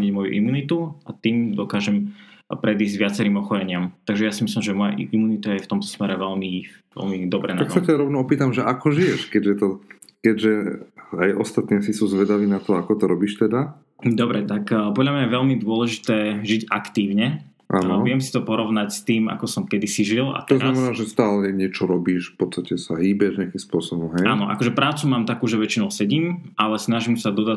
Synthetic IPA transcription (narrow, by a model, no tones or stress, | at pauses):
ɲiɟmɔjṵʔḭmuːnit̪uat̪iːmd̪ɔkaːʒɛmpɾɛd̪iːzɟʋɪat͡sɛɾiːmɔxɔɾɛɲɪamt̪aɡʒɛjasimislimʒɛmɔja̰ʔḭimunit̪ajɛft̪ɔmt̪ɔ̥smɛɾɛʋɛlmiʋɛ̰lmid̪ɔbɾɛ̰naaksat̪ɛaɾɔʋnɔɔpiːt̪amʒɛʔakɔʒijɛʃkɛɟʒɛt̪ɔkɛɟʒɛajʔɔ̰st̪at̪nijsisuːzʋɛd̪aʋiːnat̪ɔakɔt̪ɔɾɔbiːʃt̪ɛd̪a | d̪ɔbɾɛt̪akːpɔd̪ʎamɲajɛʋɛʎmid̪ʊɔlɛʒit̪ɛːʒiɟa̰kt̪iːʊɲɛ | ʔa̰nʋɪɛmsi̥t̪ɔpɔɾɔʊnacst̪iːma̰kɔsɔmkɛd̪isiʒila̰tt̪ɔznamɛnaːʒɛst̪aːlɛɛɲɪɛt͡ʃɔɾɔbiːʃfpɔt̪st̪acɛsaɦiːbɛʒɲɪakimspʊɔsɔbɔmɦɛjaːnɔʔa̰kɔʒɛpɾaːt͡sumaːmt̪akuːʒɛʋɛt͡ʃinɔʊsɛɟiːmʔalɛsnaʒimsad̪ɔd̪a